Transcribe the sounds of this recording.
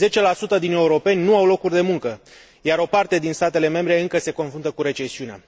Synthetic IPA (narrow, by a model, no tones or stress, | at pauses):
ze̞t͡ʃe̞lasut̪əd̪ine̞uɾo̞pe̞nʲnuawlo̞kurʲd̪e̞muŋkə | jaɾo̞part̪e̞d̪inst̪at̪e̞le̞me̞mbɾe̞ɨŋkəse̞ko̞nfɾunt̪əkuɾe̞t͡ʃe̞siunea̰